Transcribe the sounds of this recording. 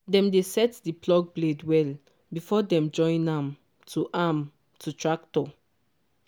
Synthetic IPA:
dɛ̃mdesɛtdiplɔɡ̚bledwɛl | bifɔdɛ̃md͡ʒɔ̃ɪ̃nãm | tʰuʔam | tʰutɹak̚tɔ

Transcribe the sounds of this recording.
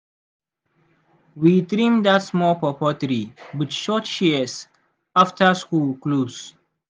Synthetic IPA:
wit̪ɾĩmd̪atsmɔpɔpɔtəɾibətʃɔtʃiəs | aftʰəskuːlkluːs

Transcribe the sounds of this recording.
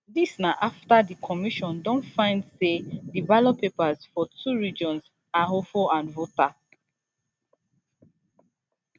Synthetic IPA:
disnaʔaftadikʰɔmiʃɔ̃ndɔ̃ntfãɪ̃ndsedivalopʰepazfɔtʰuɹid͡ʒɔ̃nz | aɦofoãnvota

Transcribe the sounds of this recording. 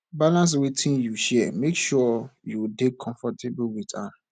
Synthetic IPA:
balãns̬wetʰĩnjuʃɛmekʃɔjuwdekʰɔ̃ɱfɔtʰeblwitãn

